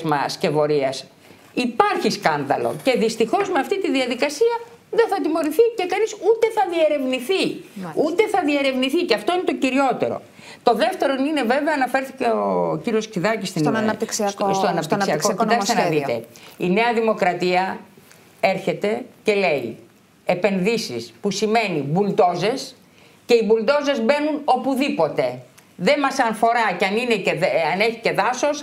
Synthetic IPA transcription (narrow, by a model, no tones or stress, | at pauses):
zmɐ̰sce̞vo̞ɾiɐs | ipɐɾçiskɐnðɐ̰lo̰ce̞ðist̪ixo̞zmeɐft̪it̪iðiɐðikɐsiɐ | ðeθɐt̪imo̞ɾiθice̞kɐnisut̪e̞θɐðie̞ɾe̞vniθiut̪e̞θɐðie̞ɾe̞vniθiceɐft̪o̞ine̞t̪o̞ciɾio̞t̪e̞̰ɾo̞̰ | t̪o̞ðe̞ft̪e̞ɾo̞nine̞ve̞veɐːnɐfeɾθiceociɾio̞sksiðɐcist̪inɐnɐpt̪iksiɐst̪oɐnɐppt̪isiɐksokit̪ɐkssenɐðit̪e̞̰ine̞ɐðimo̞kɾɐt̪iɐ | e̞ɾçe̞t̪e̞ce̞le̞i | epe̞nðisispusime̞nibult̪o̞ze̞s | ce̞ibult̪o̞ze̞zbe̞nuno̞puðipo̞t̪e̞ | ðe̞mɐsɐnfo̞ɾɐceɐnineeɐne̞çice̞ðɐso̞s